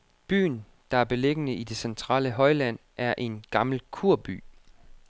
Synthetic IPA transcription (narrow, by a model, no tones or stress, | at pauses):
b̥y̰ːn̩ | d̥ɑ̈æɐb̥e̝leɡ̥ənəʔid̥e̝sent͡sʰʁɑ̰̈ːləɦɒ̽ɪlæn̰ʔæɐʔe̝nɡ̥ɑ̈ml̩kʰuɐ̰b̥y̰ː